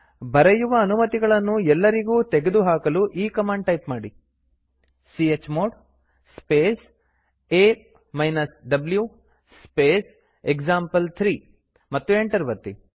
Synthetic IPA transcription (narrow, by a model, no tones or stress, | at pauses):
bɐɾɐjuʋɐːnumɐt̪iɡɐɭɐnːuɛlːɐɾiɡuːt̪eɡed̪uɦaːkɐluʔiːkɐmaːɳɖʈɐjpmaːɽi | siet͡ʃːmoːɖ | speːs | eː | mɐjnɐsɖɐblju | speːs | ekd͡ʒaːmpɐlt̪ʰɾiː | mɐt̪ːueɳʈɐɾʋɐt̪ːi